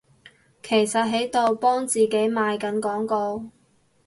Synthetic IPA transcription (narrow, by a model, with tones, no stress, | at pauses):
kʰe˨˩jsɐ˨t̚ɦe˨˥jt̪o˨wpɔː˥ŋt͡siː˨ke˨˥jmaː˨˧jkɐ˨˥nkɔː˨˥ŋkɔː˧